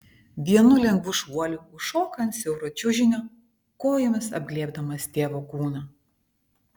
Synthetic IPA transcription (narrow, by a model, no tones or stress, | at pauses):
d̪ʲiɛnʊlʲɛŋɡʋʊʃuɔlʲuʊʃoːkɐnt̪sʲɛʊɾot͡ʃʲʊʒʲɪnʲo | koːjomʲɪsɐ̰b̚ʲɡlʲiɛbd̪ɐmɐst̪ʲeːʋoːkuːnɐ